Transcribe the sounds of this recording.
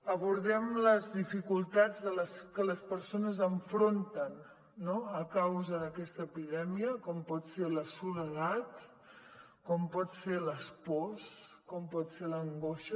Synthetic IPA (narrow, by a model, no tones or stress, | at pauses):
əβuɾðɛmləzðifikulˠt̪ad͡zðələskələspəɾsonəzəɱfɾont̪ənː | oəkawzəðəkɛst̪əːpiðɛmiəkɔmpɔt̪seləsuləɣat̪ | kɔmpɔt̪seləspɔs | kɔmpɔt̪seləŋɡoʃə